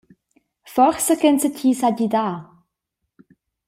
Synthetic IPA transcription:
fɔχsəkɛnsəcʰiːsaɟid̪aː

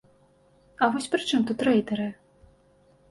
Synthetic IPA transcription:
ɐvɔsʲpɾɨt͡ʂɨmt̪ut̪ɾɛjd̪ɐɾɨ

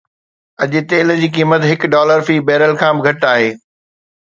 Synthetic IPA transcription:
ɐʄɪt̪eːl̆d͡ʑiːk̬iːmət̪ɦɪkɖɔːləɾfiːbɛːɾəlkʰãːbɪɡʱɐʈaːɦeː

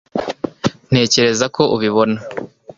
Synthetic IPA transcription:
n̥e̞ːce̞ɾe̞zakʰo̞ʔuβiβo̞na

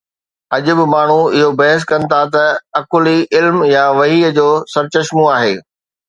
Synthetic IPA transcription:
ɐʄʊ̆bɪ̆maːɳ̤uɪɦobɐɦəs̬kɐnɪ̆t̪ʰat̪ɐɐkʊliʔɪlmjaʋɐɦiːəd͡ʑoːsɐɾt͡ɕɐʃmũaːɦeː

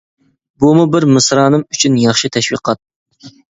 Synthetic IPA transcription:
bumubɪɾmɨsɾɑːnɨmyt͡ʃʰynjɑχʃit̪ʰɛʃwiqʰɑt̪̚

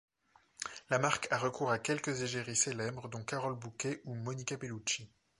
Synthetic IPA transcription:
lamaʁkʰaʁəkuʁakʲɛlkəzeʒeʁiselɛbʁd̪ɔ̃kaʁɔlbukʲeʔumɔnikʲapelut͡ʃi

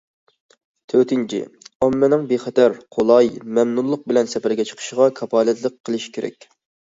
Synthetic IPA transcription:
t̪ʰøt̪ɪnt͡ʃʰḭɑmːɛnɪŋbeχɛt̪ʰæɾqʰolˠɑjmɛmnulˠːəq̚bɪlɛnsɛpæɾɡʲɛt͡ʃʰə̥qʰə̥ʃəʁɑkʰɑpɑːlɛt̪lˠəqʰːəlˠɨʃkʲʰeɾɛ̰k̚ʲ

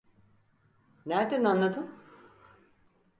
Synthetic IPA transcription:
næɾd̪ænanlˠad̪ɯm

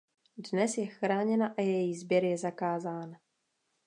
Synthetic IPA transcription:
dnɛsjɛxɾaːɲɛnaʔajɛjizbjɛɾjɛzakaːzaːn

